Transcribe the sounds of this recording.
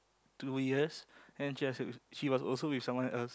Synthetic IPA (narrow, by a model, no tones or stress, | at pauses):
tujiəsɛ̃nʃiɛsʃiwɔsɔ̰lsowɪfsãmwɔ̃nɛls